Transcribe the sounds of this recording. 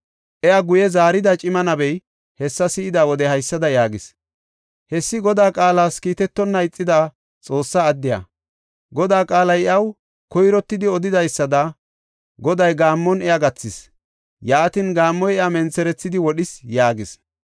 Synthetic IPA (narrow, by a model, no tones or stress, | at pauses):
ʔɛjaɡʊjɛzaːɾɪd̪ɐt͡ʃʼɪmɐnɐbɛj | hɛsːɐsɪɪd̪aːwɔd̪ɛhɐjsːɐd̪ɐjaːɡɪs | hɛsːɪɡɔd̪aːkʼaːlaːskiːt̪ɛt̪ːɔnːɐɪt͡sʼːɪd̪a | t͡sʼo̞ːsːɐːd̪ːɪjɐ̰ | ɡɔd̪aːkʼaːlɐjɛʔɐw | kɔjɾɔt̪ːɪd̪ɪɔd̪ɪd̪ɐjsːɐd̪ɐ | ɡɔd̪ɐjɡaːmːɔnɛjaɡɐt͡sːɪs | jaːt̪ɪnɡaːmːɔjɛjamɛnt͡sːɛɾɛt͡sːɪd̪ɪwɔɗɪsjaːɡɪs